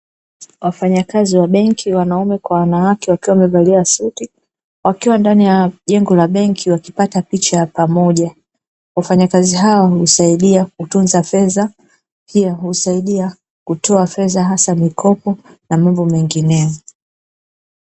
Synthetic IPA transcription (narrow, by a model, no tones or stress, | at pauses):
wafaɲakaziwaɓɛŋkʰiwanaumɛkwawanawakɛwakiwamɛvaliasuti | wakiwandanijaʄɛŋɡɔlaɓɛŋkʰiwakipatapit͡ʃapamɔʄa | wafaɲakaziɦawahusaiɗiakutunzafɛza | pʰiaɦusaiɗia | kutɔafɛzaɦasamikʰɔpɔnamambɔmɛŋɡinɛɔ